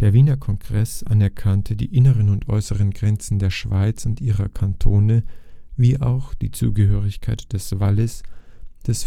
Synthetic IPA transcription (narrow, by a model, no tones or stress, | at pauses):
d̥eːɐviːnɐkʰɔŋɡ̥ʁɛsʔa̰nɛɐkʰantʰədḭːʔɪnəʁənʊntʔɔ̰ʏsəʁ̞ənɡʁɛnt͡sn̩deːɐʃv̥aɪt͡sʊntʔiːʁɐkʰantʰoːnəviːʔa̰ʊxd̥iːt͡sṵːɡəɦøːʁɪçkʰaɪtd̥ɛsv̥aləsd̥ɛs